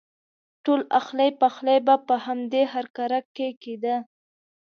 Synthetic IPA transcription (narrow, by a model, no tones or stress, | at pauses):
ʈolaxləjpaxlajbapəhamd̪eɦaɾkaɾakːeked̪ə